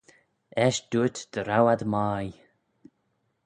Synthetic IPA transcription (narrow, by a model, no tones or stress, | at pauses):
ɛʃd̪̥uət̪d̪̥əɾawad̪maːj